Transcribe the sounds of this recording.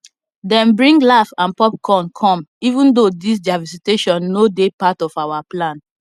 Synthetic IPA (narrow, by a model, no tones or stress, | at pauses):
dɛ̃mbɹĩŋɡlafãnpɔp̚kʰɔ̃nkʰɔ̃mivũndodis̬d͡ʒavisiteʃɔ̃nːodepatɔfawaplãn